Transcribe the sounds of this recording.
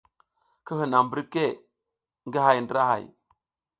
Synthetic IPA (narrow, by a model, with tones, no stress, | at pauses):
kə˦hi˨na˨mbə˦ɾke˦ | ŋɡi˦ɦa˨jndi˦ɾa˦ha̰˨j